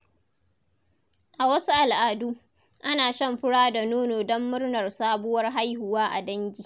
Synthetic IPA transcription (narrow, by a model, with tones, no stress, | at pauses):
ʔa˨wɐ˦su˦ʔa˨lʔaː˨duː˦ | ʔa˦naː˨ʃɐ˦˨mɸɪ˦ɽaː˦da˨noː˦noː˨dɔ˦mːʊ˦rnɐ˨rsaː˦bʊ˦wɐ˦rɦa˦jhʊ˨waː˦ʔa̰˨dɐ˦ŋɡʲiː˨